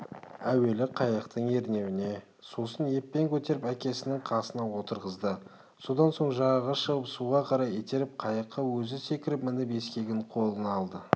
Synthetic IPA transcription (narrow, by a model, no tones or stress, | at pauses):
æwe̞lɪqʰɑjəqt̪əɴe̞ɾne̞wɪne̞ | susənje̞pːe̞ŋkʲʰɵt̪e̞ɾɪpækʲe̞sɪnɪŋqʰɑsənɑwo̞t̪əɾʁəzd̪ə | so̞d̪ɑnso̞ɴʒɑʁɑʁɑʃəʁəpsuʁɑqʰɑɾɑjet̪eɾɪp̚qʰɑjəqːɑwɵzɪse̞kʲɪɾɪpmɪnɪpe̞skʲe̞ɡʲɪɴqʰo̞lˠənɑlˠd̪ə